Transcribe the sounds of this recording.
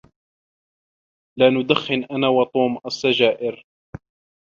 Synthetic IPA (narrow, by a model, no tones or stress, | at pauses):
laːnʊd̪axːɪnʔanaːwɑt̪ˤuːmʔasːad͡ʒaːʔɪɾ